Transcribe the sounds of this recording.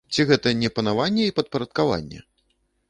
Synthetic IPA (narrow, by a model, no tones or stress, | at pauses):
t͡sʲiɣɛt̪ɐnʲɛpɐnavanʲːɛipɐt̪̚pɐɾɐt̪̚kava̰nʲːɛ̰